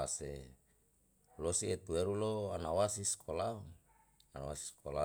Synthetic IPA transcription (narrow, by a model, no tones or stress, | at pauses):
ase | losiet̪ueɾuloanawasiskʰolau | anawa̰si̥skola